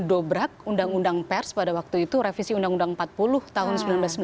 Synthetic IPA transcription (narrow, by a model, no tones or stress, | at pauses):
dobɾak̚undaŋundaŋpɛrspadawak̚t̪uit̪uɾefisiundaŋundaŋmpat̪̚pulʊht̪aɦʊnsəmbilanblasəmbi